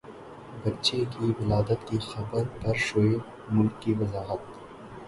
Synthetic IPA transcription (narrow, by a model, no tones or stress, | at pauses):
bɐtːt͡ʃʰekiʋɪlɑːd̪ət̪kixɐbəɾpɐɾʃojɪ | mʊlkːiʋɐzɑːɣət̪̚